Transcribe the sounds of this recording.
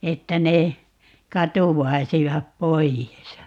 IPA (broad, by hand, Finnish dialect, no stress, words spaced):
etːæ ne kɑtuwːɑisiʋɑp poijes